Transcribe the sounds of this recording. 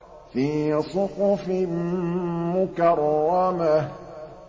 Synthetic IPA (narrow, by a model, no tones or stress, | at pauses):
fĩsũkũfĩmũkaɾɔwamɛ